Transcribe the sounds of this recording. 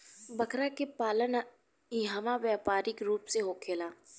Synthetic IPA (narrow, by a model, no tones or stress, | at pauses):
bɐkɾakepaːlən | iɦaːmaʋjaːpaːɾɪkɾuːpseɦokʰeːlaː